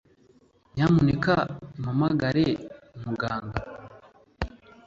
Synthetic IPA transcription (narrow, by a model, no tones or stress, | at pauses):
ɲamunekamamaɡaɾe | umuɡaːŋɡa